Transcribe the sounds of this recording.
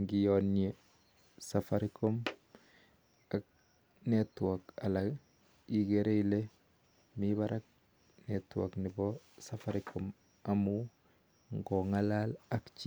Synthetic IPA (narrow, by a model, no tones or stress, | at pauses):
ŋɡijonie | safaɾikom | ak̚ | netuaka̰laɡ | iɡeɾeile | miβaɾak̚ | netua̰knibo | safaɾikʰom | amu | ŋɡoŋalalakt͡ʃi